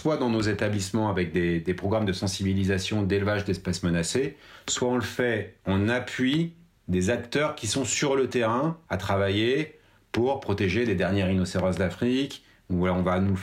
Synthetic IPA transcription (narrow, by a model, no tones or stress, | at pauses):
swad̪ɑ̃nozet̪ablismɑ̃avɛk̚d̪ed̪epχɔɡʁamd̪əsɑ̃sibilizasjɔ̃d̪elvaʒd̪ɛspasmənaseswaɔ̃lfɛɔ̃napɥi | d̪ezakt̪œʁkʲisɔ̃syʁlət̪eʁɛ̃at̪χavaje | puʁpχɔt̪eʒeled̪ɛʁnjɛʁinɔseʁɔzd̪afχik | ulaɔ̃vanu